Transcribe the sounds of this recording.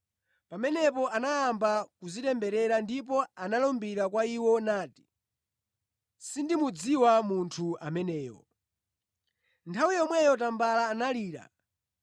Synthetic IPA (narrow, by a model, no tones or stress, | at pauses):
pamɛnɛpɔʔanajambakuzitɛmbɛɾɛɾandip̬ɔanalɔmbiɾak̬waiwɔnaːti̥ | sindimud͡ziwamuntʰua̰mɛnɛːjɔ̰ | ntʰawijɔmwɛjɔtambalaːnaliːɾa̰